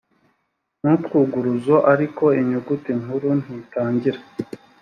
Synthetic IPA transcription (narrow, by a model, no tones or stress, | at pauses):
nuːtkuːɡuɾuzoʔaɾiko̞iɲuɡutiŋuɾun̥hitaːɲɟiɾa